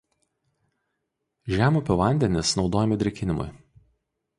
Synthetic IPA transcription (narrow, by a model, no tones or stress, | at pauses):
ʒʲæːmuːpʲɛʋɐˑnʲd̪ʲɛnʲɪsnɒʊd̪oːjɛmʲɪd̪ʲɾʲɛkʲɪnʲɪmʊ̰ɪ